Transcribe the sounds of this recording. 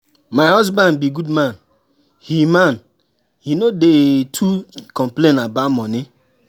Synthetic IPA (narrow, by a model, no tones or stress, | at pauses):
maɪhɔs̬bãndbiɡudmãn | himãn | hinodetʰukɔ̃mplẽnabamɔni